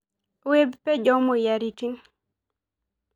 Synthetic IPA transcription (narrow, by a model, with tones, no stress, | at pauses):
we˦bpɛ˦d͡ʒɔ˦mo˨ja˨ɾi˨ki˦n